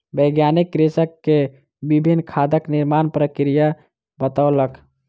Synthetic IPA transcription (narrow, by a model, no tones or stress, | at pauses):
bəɡjanikːɾesəkːe | bibʱinːkʰad̪əkniɾmaːnpɾəkɾija | bət̪aʊlək